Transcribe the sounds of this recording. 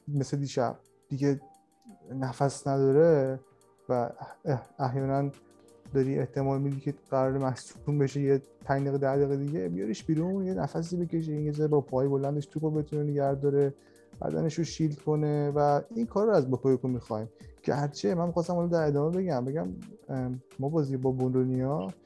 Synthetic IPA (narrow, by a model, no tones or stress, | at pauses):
mesed̪iːʃæ̰b̥̚ | d̪̥iɟʲe | næfæsnæd̪ɒːɾe̞ | væ | æɦjɒːnæn | d̪ɒɾiʔeht̪ʰe̞mɒːlmid̪icʰeɢæɾɒːɾemæhsuumbe̞ʃejepʰæjd̪eːɣed̪æɣiːɣed̪iɟe̞bijɒ̰ɾiʃbiːɾunjenæfæs̬iːbe̞cʲe̞ʃ̬eijezɒɾebɒpʰɒjbo̞lænd̪eʃt̪ʰupobe̞t̪ʰuneneɟæɾd̪ɒɾe̞ | b̥æ̰d̪æ̰ne̞ʃoʃiːld̪kʰo̞ne̞væinkʰɒːɾoæzbokʰojekomixɒjmɟ̥æɾt͡ʃʰe̞mænmixɒst̪æmhɒlɔd̪æɾe̞d̪ɒːmebe̞ɟæmbe̞ɡæm | mːɒbɒːziebɒːbond̪onijɒ